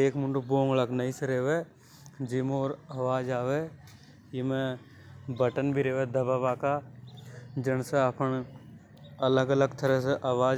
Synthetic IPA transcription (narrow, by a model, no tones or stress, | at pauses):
eːkmʊɳɖuboːŋələɡnəiseɾeːʋe | d͡ʒimoːɾəʋaːd͡ʒaːʋe | jimẽ | bəʈənbʱiɾeːʋed̪əbabaːka | d͡ʒɪnseapəɳ | ələɡələɡt̪əɾɛseʔaːʋaːd͡ʒ